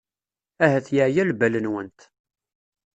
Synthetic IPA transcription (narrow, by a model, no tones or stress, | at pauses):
æɦæθjəʕjælbælənwənt̪